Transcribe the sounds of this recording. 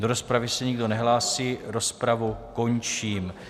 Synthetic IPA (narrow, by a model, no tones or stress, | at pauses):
do̞ɾo̞spɾavɪsɛɲɪɡdo̞nɛɦlaːsiːɾo̞spɾavuko̞ɲt͡ʃiːm